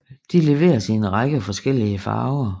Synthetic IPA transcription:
d̥ile̝ʋe̝̰ːɐsienʁɑ̈ɡ̥əfɒ̽sɡ̥el̰iəfɑ̰̈ːʊɐ

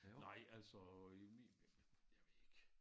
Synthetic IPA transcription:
nɑ̈ɪ̰ælsɒeijaɪʋeeɡ̥

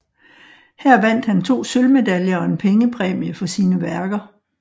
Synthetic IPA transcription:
hæɐ̰ʋæn̰d̥hænt͡sʰo̝̰ːsølme̝d̥æljɐɒ̽e̝npʰeŋəpʰʁɛːmiəfɒ̽siːnəʋæɐɡ̥ɐ

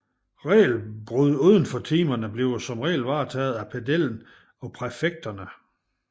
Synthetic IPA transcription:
ʁɛ̰ːlb̥ʁuðˠuðˠən̩fɒ̽t͡sʰiːmɐnəb̥le̝ʊsɒ̽mʁɛ̰ːlʋɑ̈ːt͡sʰɛ̰ːð̞̩ˠæpʰædel̰n̩ | ɒ̽pʰʁɛfeɡ̥̚d̥ɐnə

